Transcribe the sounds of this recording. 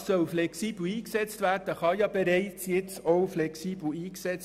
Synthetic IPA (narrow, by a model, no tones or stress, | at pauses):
sœlflɛksiːbl̩iːksɛt͡stvæːrd̥əχɑjɑbeɾɛɪt͡sjɪt͡soʊflɛksiːbl̩iːksɛt͡s